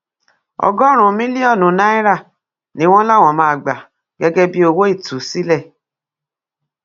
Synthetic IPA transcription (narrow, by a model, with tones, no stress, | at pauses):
ɔ̰˨ɡɔ˦ɾ̃ũ˨mĩ˦li˦ɔ˦˨nũ˨na˦i˦ɾa˦˨ | nĩ˨˦wɔ̃˦la˦˨wɔ̃˨mãː˦˨ɡ͡ba˨ | ɡɛ˦ɡɛ˦bi˦o˧wo˦i˦˨tu˨si˦lɛ˦˨